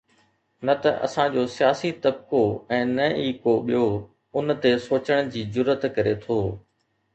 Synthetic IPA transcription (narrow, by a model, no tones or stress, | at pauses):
nɐt̪ɐʔɐ̰sãd͡ʑoːsijaːsit̪ɐb̚koɛ̃ːnɐiːkoɓijo | ʊnt̪esoːt͡ɕəɽ̃d͡ʑiːd͡ʑʊɾːət̪kɐɾet̪ʰoː